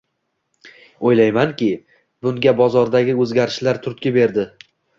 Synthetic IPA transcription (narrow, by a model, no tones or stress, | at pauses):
ojlajmaŋkʲɪ | bʊŋɡʲabɒzɒɾd̪aɡʲɪɵzɡʲaɾɪʃlaɾt̪ʰʊɾt̪̚kʲɪbe̞ɾd̪ɪ